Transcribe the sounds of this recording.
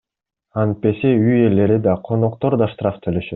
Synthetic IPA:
ɑnpe̞seyje̞le̞ɾid̪ɑqʰo̞no̞qt̪o̞ɾd̪ɑʃt̪raft̪ʰølø̞ʃøt̪

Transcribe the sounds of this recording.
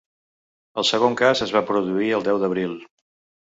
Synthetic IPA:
əlˠsəɣ̞oŋkazəzβapɾuðuiəlˠd̪ɛwðəβɾilˠ

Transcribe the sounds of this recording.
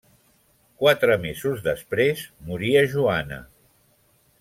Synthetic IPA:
kwat̪ɾəmezuzðəspɾezmuɾiəʒuanə̰

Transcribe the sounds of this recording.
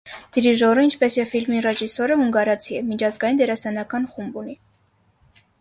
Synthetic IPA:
d̪̥iɾiʒɔrəint͡ʃʰpɛsjɛfilmirɛʒisɔɾəɦuŋɡɑɾɑt͡sʰiɛmit͡ʃʰɑzɡɑjind̪ɛɾɑsɑnɑkɑnχumbuni

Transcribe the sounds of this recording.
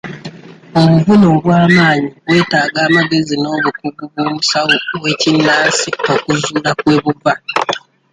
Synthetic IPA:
o̞βuvunoβwaːmaːɲiɡwe̞ːtaːɡaːmaɡe̞zino̞ːβukuβuβwoːmusawuwe̞ːcinːaːsiokuzuːlakwe̞ːβuva

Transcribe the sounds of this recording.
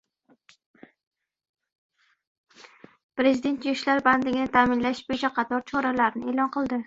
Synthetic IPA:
pɾe̞zid̪e̞nt̪jʊʃlaɾband̪lɪɡʲɪnɪt̪ʰaːmɪnlaʃbojɪt͡ʃʰaqʰɑt̪ʰɒɾt͡ʃʰɒɾalaɾnɪelˠɒnqʰɨlˠd̪ɪ

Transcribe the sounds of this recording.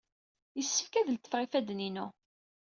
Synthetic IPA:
jəsːəfkæðəlt̪ːə̥fʁifæd̪ninu

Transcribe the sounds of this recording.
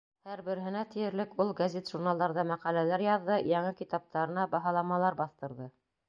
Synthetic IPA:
hæɾbɘ̆ɾɦɘ̆næt̪ɘ̆jɘ̆ɾlɘkulˠɡɐzʲet̪ʒuɾnɑlˠd̪ɑɾðɑmæqælælæɾjɑðːɤjɑɴɤkit̪ɑp̚t̪ɑɾɤ̆nɑbɑɦɑlˠɑmɑlˠɑɾbɑθt̪ɤ̆ɾðɤ

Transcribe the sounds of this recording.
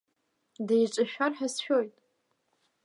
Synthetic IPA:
dejʈ͡ʂʼɨʃᶣarħasʃᶣojtʼ

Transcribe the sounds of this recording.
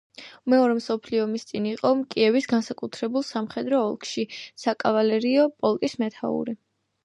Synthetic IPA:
mɛɔɾɛmsɔpʰliɔmist̪sʼiniqʼɔmkʼiɛvisɡansakʼut̪ʰɾɛbulˠsamχɛd̪ɾɔːlˠkʰʃisakʼavalɛɾiɔpʼɔlˠkʼismɛt̪ʰa̰ṵɾi

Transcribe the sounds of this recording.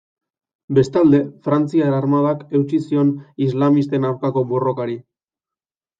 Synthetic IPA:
be̞st̪ald̪e̞fɾant͡siaɾarmað̞ake̞wt͡ʃisio̞nizlamist̪e̞naɾkako̞bo̞ro̞kaɾi

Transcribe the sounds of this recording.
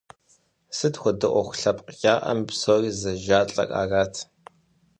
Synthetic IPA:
sɨdxʷɔdɨʔʷɔxʷʊɬɐpʼqkʲʼaːʔɐ̰mbsoːriːzɐʒaːɬʼɐ̰kʼa̰ːraːtʰ

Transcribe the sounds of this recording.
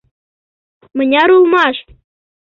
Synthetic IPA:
mɤ̆nʲɑɾulˠmɑʃ

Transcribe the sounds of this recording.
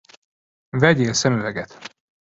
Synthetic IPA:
vɛɟeːlsɛmyvɛɡɛt̪

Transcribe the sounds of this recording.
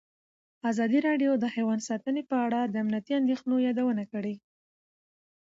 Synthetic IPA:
ɑzɑd̪iɾɑɖjod̪əhajwɑnsɑt̪ənepəaɽad̪əamnijat̪iand̪exnojɑd̪awənakəɽe

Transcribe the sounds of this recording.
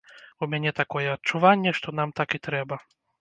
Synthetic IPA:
umʲanʲɛt̪akɔjɛɐtt͡ʂuvanʲːɛʂt̪ɔnamt̪akit̪ɾɛbɐ

